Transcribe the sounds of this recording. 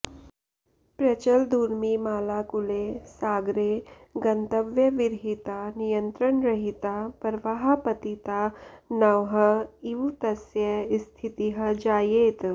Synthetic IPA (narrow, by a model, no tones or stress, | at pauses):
pɾət͡ɕəld̪uɾmiːmaːlakulesaɡɾeɡənt̪əʋjəʋiɾɦit̪anijənt̪ɾəɳɾəɦit̪apəɾʋaɦapət̪it̪anəʋɦəiʋt̪əsjəst̪ʰit̪iɦəd͡ʒajet̪